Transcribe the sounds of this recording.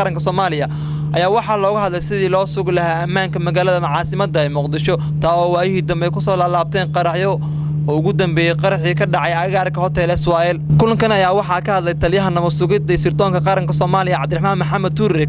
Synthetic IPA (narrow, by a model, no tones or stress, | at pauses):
ɾɐŋkʰɐsɔːmaːlɪjɐ | ʔɐjaːwɑħɑlɔːɣɐɦɐd̪lɛjsɪðiːlɔːsʊɣlɐhaːɐmːaːŋkʰɐmɐɣaːlɐðɐmɑʕɑːsɪmɐd̪ɐɛjmʊqd̪ɪʃɔ | t̪ʰaːɔːwaːjɪɦiːd̪ɐmbɛjkʰʊsɔːlaːlaːb̚t̪ʰɛːnqɑɾɑħjɔ | ɔːʊɣʊd̪ɐmbɛːjɛjqɑɾɑħiːkʰɐɖɑʕɑjɐɣaːrkʰɐhɔt̪ʰɛlɛswaːɛlkʰʊlɐŋkɐnɐjaːwɑħɑkɐhɐd̪lɛjt̪ʰɐljɐɦɐnɐmɔsʊɣɪd̪ɐsɪrt̪ʰɔːŋkɐqɑɾɐŋkʰɐsɔːmaːlɪjɐʕɑbd̪ɪɾrɪħmaːnmɐħɑmɐd̪̚t̪ʰʊrːɛ